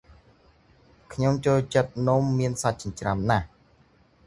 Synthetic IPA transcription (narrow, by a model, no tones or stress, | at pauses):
kʰɲomt͡ɕoːlt͡ɕət̪̚numːiənsat̪̚t͡ɕɑɲt͡ɕramnah